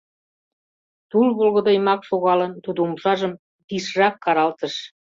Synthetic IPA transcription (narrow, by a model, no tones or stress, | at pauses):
t̪ulβolɣə̆d̪ɤjmɑkʃoɣɑlənt̪ud̪əumʃɑʒəm | piʃrɑkːɑɾɑlt̪əʃ